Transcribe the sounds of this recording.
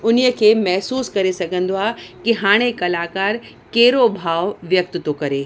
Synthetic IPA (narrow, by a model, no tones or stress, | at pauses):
ʊnijəkʰeːmɛɦsuːskɐɾesɐɡʱə̃nd̪oaːkiɦaːɽ̃ekɐlaːkaːɾ | keːɾobʱaːʋʋjɐk̚t̪ɪt̪okɐɾeː